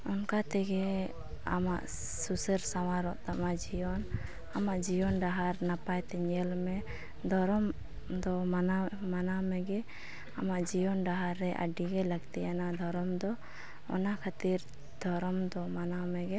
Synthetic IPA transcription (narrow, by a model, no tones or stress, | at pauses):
ɔnkat̪ɛɡɛ | a̰ma̰ʔ | susəɾsawaɾɔʔt̪amad͡ʒijɔn | amaʔd͡ʒijɔnɖaɦaɾnapajt̪ɛɲɛlmɛ | d̪ʱɔɾɔm | d̪ɔmanamanamɛɡɛ | amaʔd͡ʒijɔnɖaɦaɾːɛʔa̰ɖiɡɛləɡt̪ɛjanad̪ʱɔɾɔmd̪ɔ | ɔ̰nakʰat̪iɾ | d̪ʱɔɾɔmd̪ɔmanamɛɡɛ